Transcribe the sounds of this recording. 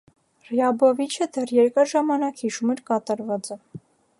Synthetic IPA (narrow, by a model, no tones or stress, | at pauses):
rjɑbɔvit͡ʃʰəd̪ɛrjɛɾkɑʒɑmɑnɑkhiʃumɛɾkɑt̪ɑɾvɑt͡sə